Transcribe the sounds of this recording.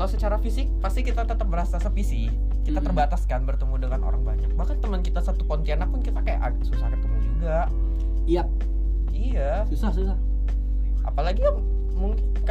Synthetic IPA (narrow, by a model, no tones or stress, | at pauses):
lasət͡ʃaɾafisɪk̚past̪ikit̪at̪ət̪əp̚bəɾasasəfisi | kit̪at̪ərbat̪askanbərt̪əmudəŋanʔo̰ɾaŋbaɲak̚makant̪əmənkit̪asat̪upɔnt̪ianak̚pʊnkit̪akaja̰ʔak̪̚susahkət̪əmud͡ʒuɡaʔ | ja | ija | susahsusa | ʔa̰palaɡijaŋ | muŋkɪnk